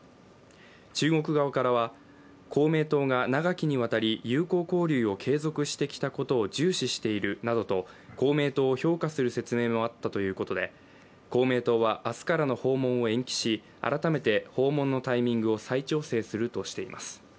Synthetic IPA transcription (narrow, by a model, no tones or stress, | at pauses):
t͡ɕɨːɡo̞kɯ̟ɡaakaɾaβa | kʰo̞ːme̞ːt̪o̞ːɡanaɡakʲiɲ̟iβ̞at̪aɾʲijɯ̟ːko̞ːko̞ːɾʲɯːo̞kʰe̞ːzo̞kɯ̟ɕi̥t̪e̞kʲi̥t̪ako̞t̪o̞ːd͡ʑɨːɕiɕi̥t̪e̞iɾɯ̟nad̪o̞t̪o̞ko̞ːme̞ːt̪o̞ːço̞ːkasɨɾɯ̟se̞t͡sɨme̞ːmo̞at̪ːat̪o̞jɯ̟ːko̞t̪o̞d̪e̞ | ko̞ːme̞ːt̪o̞ːβaʔasɨ̥kaɾano̞ho̞ːmõ̞ɰ̃o̞ẽ̞ŋkʲi̥ɕi | a̰ɾat̪ame̞t̪e̞ho̞ːmõ̞nːo̞t̪aimʲĩŋɡɯ̟o̞sait͡ɕo̞ːse̞ːsɨɾɯ̟t̪o̞ɕi̥t̪e̞imʔa̰sɨ̥